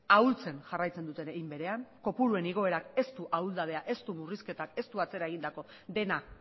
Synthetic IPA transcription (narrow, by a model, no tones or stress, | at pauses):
ault͡se̞nʝarajt͡se̞nd̪ut̪e̞neɣimbe̞ɾe̞aŋko̞puɾue̞niɣ̞o̞e̞ɾake̞st̪uʔauld̪að̞e̞aʔe̞st̪umuriske̞t̪ake̞st̪uat͡se̞ɾae̞ɣind̪ako̞ | ðe̞na